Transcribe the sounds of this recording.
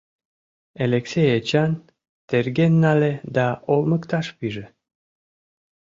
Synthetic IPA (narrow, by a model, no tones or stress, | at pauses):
eleksejet͡ɕan | t̪erɡʲenːaled̪aolməkt̪ɑʃpiʒe